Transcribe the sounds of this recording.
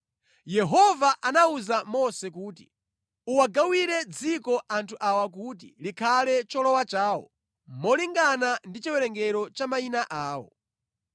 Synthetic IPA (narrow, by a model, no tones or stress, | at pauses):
jɛɦɔvaʔanauzamɔsɛk̬uːt̬i̥̰ | uwaɡawiɾɛd͡zikɔʔantʰuʔawak̬ut̬ilikʰalɛt͡ʃɔlɔwat͡ʃaːwɔ̰ | mɔliŋɡanandit͡ʃiwɛɾɛŋɡɛɾɔt͡ʃamainaʔaːwɔ̰